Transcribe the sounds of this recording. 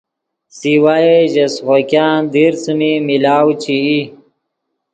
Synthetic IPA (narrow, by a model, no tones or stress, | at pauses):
siwaeʑɐsʁokjaːnd̪iɾt͡sumimilaːwt͡ɕʰii